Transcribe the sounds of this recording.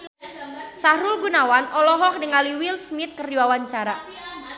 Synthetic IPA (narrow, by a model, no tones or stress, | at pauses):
saɾulɡunawanʔɔlɔɦɔk̚dəŋaliwilsmɪt̪̚kərdiwawaɲt͡ʃaɾa